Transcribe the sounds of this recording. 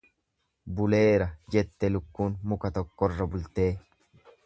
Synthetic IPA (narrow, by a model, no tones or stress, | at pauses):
bʊle̞ːɾɐd͡ʒɛt̪ːɛlʊkːuːnmʊkɐt̪ɔkːɔrːɐbʊlt̪e̞ː